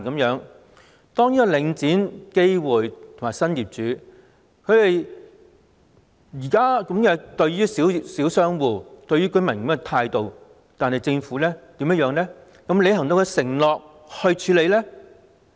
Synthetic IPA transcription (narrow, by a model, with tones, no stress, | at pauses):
kɐ˨˥mjœː˨˧˥ŋ | t̪ɔː˥ŋniː˥kɔ˧lɪ˨˧ŋt͡siː˨˥nke˥jwuː˨jt̪ʰʊ˨˩maː˨˩sɐ˥njiː˨p̚t͡ʃyː˨˥ | kʰɵ˨˧ɥt̪e˨j | jiː˨˩kaː˥kɐ˨˥mkɛː˧t̪ɵ˧ɥɥyː˥si˨˥wsiː˨˥wsœː˥ŋwuː˨˩t̪ɵ˧ɥyː˥kɵ˨˥ɥmɐ˨˩nkɐ˨˥mɛ˧t̪ʰaː˧jt̪o˨˧w | t̪aː˨nhɐ˨˩jt͡sɪ˧ŋfuː˨˥lɛː˥t̪iː˨˥mjɐ˥jœː˨˧ŋlɛː˥ | kɐ˨˥mle˨˧jhɐ˨˩ŋt̪o˧wkɛ˧sɪ˨˩ŋlɔː˨k̚ | hɵ˧ɥt͡ʃʰyː˨˧le˨˧jlɛː˥